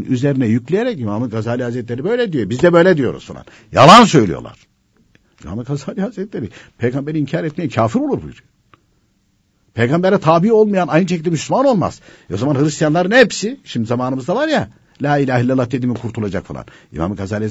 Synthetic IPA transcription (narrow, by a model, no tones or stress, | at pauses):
yzeɾinɛjyclʲejeɾɛcimamɯnɡazaːlʲihazɾɛt̪lʲeɾibø̞jlʲɛd̪ijøbizd̪ɛbø̞jlʲɛd̪ijo̞ɾṵz̥fa̰lˠa̰n | ja̰lˠansø̞jlʲḭjo̰lˠa̰ɾ̥ | ima̰mɯnɡazaːlʲihazɾɛt̪lʲeɾipʰejɡambeɾiimcʰaːɾɛt̪̚mejɛncʰaːfiɾo̞lˠuɾbujyɾ | pʰejɡambɛɾɛt̪ʰaːbio̞lˠmajanajnɯʃecʰild̪ɛmyslʲymano̞lˠma̰z̥ | ozamanhɯɾist̪ijanlˠaɾɯnɛpsiʃimd̪izamaːnɯmɯzd̪avaɾja | lʲaːilʲaːɦilʲːalˠːaht̪ːed̪imikʰuɾt̪ʰulˠad͡ʒakfalˠa̰nḭma̰mɯɡazaːlʲi